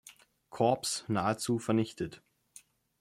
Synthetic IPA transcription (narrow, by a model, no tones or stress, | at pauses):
kʰɔɐpsnaːət͡suːfɛɐnɪçtʰət